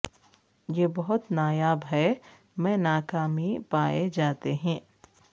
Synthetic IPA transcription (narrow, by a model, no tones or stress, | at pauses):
jeːbɐɦʊt̪naːjaːbɦɛ | mɛ̃ːnaːkaːmipaːed͡ʒaːt̪eɦɛ̃ː